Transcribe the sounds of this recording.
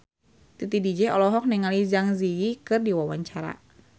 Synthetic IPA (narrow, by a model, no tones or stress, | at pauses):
t̪it̪idid͡ʒɛɔlɔɦɔk̚nɛŋalizaŋziikɨrdiwawaɲt͡ʃaɾa̰